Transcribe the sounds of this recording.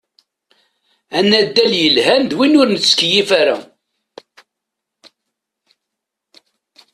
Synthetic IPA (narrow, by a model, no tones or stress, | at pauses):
ænːæd̪ːæljəlɦænd̪winʊɾnəskjifæɾæ̰